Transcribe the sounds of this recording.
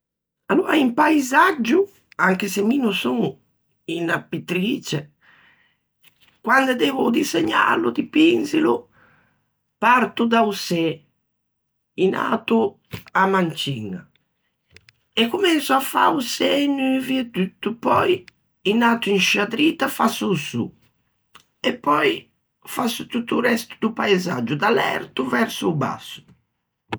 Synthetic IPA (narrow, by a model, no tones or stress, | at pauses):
alːuːɾaimpaizad͡ʒːu | aŋkesemiːnusuŋ | inapit̪ɾiːt͡ʃe | kwand̪ed̪ɛːvud̪izeɲːa̰lud̪ipinzilu | paɾt̪ud̪ausɛ | ina̰ːt̪u | amant͡ʃiŋa̰ | ɛkːumɛnsuafa̰usɛɲːuviɛd̪yt̪ːupɔj | inaːt̪uinʃad̪ɾiːt̪afasːusṵ | ɛpːɔj | fasut̪ut̪ːuɾɛst̪ud̪upajzad͡ʒud̪alɛ̰ɾt̪uvɛɾsuba̰sːu̥